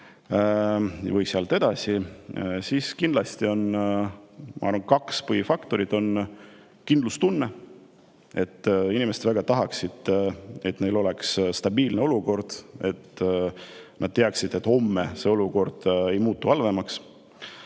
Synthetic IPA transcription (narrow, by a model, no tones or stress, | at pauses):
vɯjseɑlt̪e̞d̪̥ɑsisiskind̪lɑst̪io̞n | mɑ̰ʔɑɾrvɑnkɑkspɤhifɑkt̪o̞ɾid̪̥o̞n | kind̪lust̪unːe | e̞t̪ːˑinimesed̪væɡ̥ɑt̪ɑɦɑksid̪̥e̞t̪ne̞jlo̞le̞ksst̪ɑbiːlne̞o̞luko̞rd̪̥e̞t̪ː | nɑd̪̥̚t̪eɑksid̪e̞t̪ːˑho̞mːese̞o̞luko̞rd̪̥e̞jmuːt̪ːˑuhɑlve̞mɑks